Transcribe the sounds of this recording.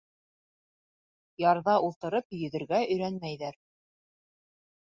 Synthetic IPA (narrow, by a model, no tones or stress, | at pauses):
jɑɾðɑʔulˠt̪ɤ̆ɾɤpjɵ̆ðɘ̆ɾɡæɵ̆jɾænmæjðæɾ